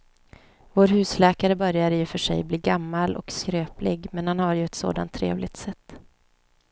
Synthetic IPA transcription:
voːɾhʉ̟ːslɛːkaɾəbœɾjad̪əjɵfœʂɛ̰jbliːɡamːalɔ̰kskɾøːplɪɡmɛnhanhaɾjɵɛt̪so̰ːd̪a̰nt̪ʰːɾḛːvlɪɡ̚t̪sɛt̪ː

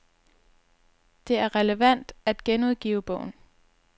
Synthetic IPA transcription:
d̥e̝æɐʁɛləʋæn̰d̥æd̥ɡ̥enuð̰ˠɡ̥ḭːʊəb̥ɔ̰̽ʊ̰n̩

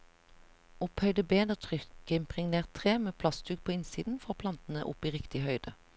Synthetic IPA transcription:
ɔphœʏd̪əbeːd̪əʁt̪ʰʁʏkəɪmpʁɪŋneːʁt̪ʰːʁeːmeːpʰlɑst̪ʉːɡ̚pʰoːɪnsiːd̪n̩fɔʁpʰlɑnt̪n̩ə̰ʔʊ̰piːʁɪkt̪ɪhœʏd̪̥ə

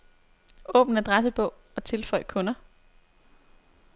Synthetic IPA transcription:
ɔ̽ːb̥n̩æd̥ʁasəb̥ɔ̽ʊ | ɒ̽t͡sʰe̝lfɒ̽ɪ̰kʰɔ̽nɐ

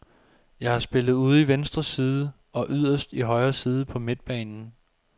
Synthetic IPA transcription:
jɑ̈ɪhɑ̈sb̥e̝l̰əð̞̩ˠuð̞ˠiʋensd̥ʁɐsiːð̞ˠə | ɒ̽ʔyð̞̰ˠɐsd̥iɦɒ̽ɪɐːsiːð̞ˠəpʰɒ̽me̝d̥̚b̥ɛ̰ːnn̩

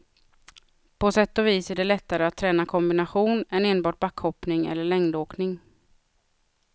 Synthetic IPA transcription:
pʰɔsɛt̪ːɔviːsæɖɛlɛt̪ːaɾəat̪ʰːɾɛːnakʰɔmbɪnaɧuːnɛneːnbɑːʈ̚bakːhɔpnɪŋɛ̰lːəɭɛŋd̪oːknɪŋ

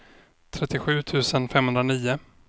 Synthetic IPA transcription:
t̪ʰɾɛt̪ːɪɧʉ̟ːt̪ʰʉ̟ːsənfɛmːhɵnd̪ɾaniːʊ

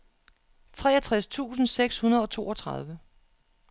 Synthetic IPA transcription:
t͡sʰʁɛːɐt͡sʰʁast͡sʰṵːsn̩seɡ̥shunɐð̞ˠɒ̽t͡sʰo̝̰ːɒ̽t͡sʰʁɑ̈ð̞ˠʋə

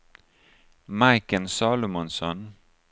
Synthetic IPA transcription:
mɑɪkənsɑːlʊmɔnsɔn

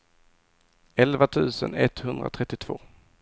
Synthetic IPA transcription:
ɛlvat̪ʰʉ̟ːsənɛt̪hɵnd̪ɾa̰t̪ʰɾɛt̪ːɪt̪ʰv̥oː

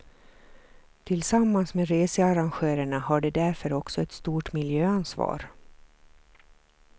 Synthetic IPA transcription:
t̪ʰɪlsamːansmeːɾeːsəaɾanɧeːɾəɳahaɖɛd̪æɾfœɾɔksɔɛt̪st̪uːʈmɪljøːansvɑ̰ːɾ

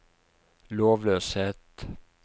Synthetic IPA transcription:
loːʋløːsheːt̪

